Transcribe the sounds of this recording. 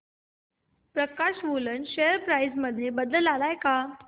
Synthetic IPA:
pɾəkaɕʋolənɕejəɾpɾajsməd̪ʱjebəd̪əlalajka

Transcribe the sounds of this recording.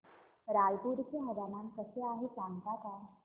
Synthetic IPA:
ɾajd̪iɾkiɦədanankəseaɦisaŋɡt̪at̪a

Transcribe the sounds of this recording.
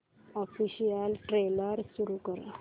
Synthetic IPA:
ɔfiɕijəlʈɾeləɾsuɾukəɾa̰

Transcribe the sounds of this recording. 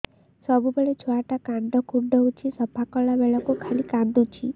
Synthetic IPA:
sɔbubeɭet͡ʃʰoaʈakaɳɖ̪ɔkuɖɔɦut͡ʃʰisɔpʰakɔlabeɭɔkukʰalikãnd̪ut͡ʃʰi

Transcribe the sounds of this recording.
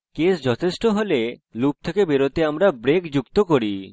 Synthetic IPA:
kesd͡ʑɔt̪ʰeʃʈoɦolelup̚t̪ʰekebeɾot̪eamɾabɾekd͡ʑukt̪okoɾi

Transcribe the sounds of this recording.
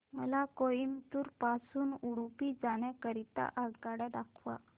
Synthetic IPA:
məlakojimt̪uːɾpasuːnuɽpid͡zaɽakəɾit̪a̰ʔakaɽaɖakʰʋa̰

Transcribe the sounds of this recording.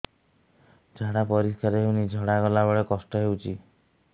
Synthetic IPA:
d͡ʒʱaɽapɔɾiskaɾɦewnid͡ʒʱɔɽaɡɔlabɔɭekɔsʈɔɦewt͡ʃʰi

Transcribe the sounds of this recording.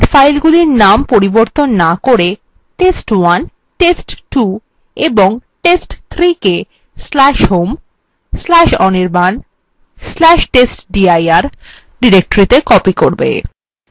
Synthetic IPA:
ʈfajlɡuliɾnampoɾiboɾt̪onːakoɾe | ʈesʈwan | ʈesʈʈu | eboŋʈesʈt̪ʰɾike | slɛʃɦom | slɛʃɔniɾban | slɛʃʈesʈɖiajaɾ | ɖiɾek̚ʈoɾit̪ekɔpikoɾbḛ

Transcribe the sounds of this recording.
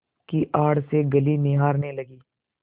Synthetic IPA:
kiʔaːɽseɡɐlinɪɦaːɾnelɐɡiː

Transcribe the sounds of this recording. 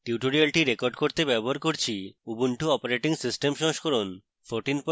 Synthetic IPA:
ʈiuʈoɾialʈiɾekoɾɖkoɾt̪ebɛboɦaɾkoɾt͡ɕʰiubuɳʈuɔpoɾeʈiŋsisʈemʃɔ̃ʃkʰoɾon | fʰoɾʈinp

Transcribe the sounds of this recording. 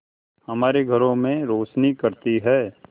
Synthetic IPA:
hɐmaːɾeɡʱɐɾõmẽɾoːt͡ʃnikɐɾt̪iɦɛː

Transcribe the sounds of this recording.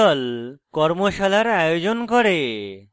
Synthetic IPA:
ɔlkɔɾmoʃalaɾajod͡ʑonkoɾe

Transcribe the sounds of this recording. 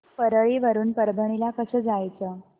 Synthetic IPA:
pəɾəɭiʋəɾuːnpəɾbʱəɽ̃ilakəsəːd͡zajt͡sə

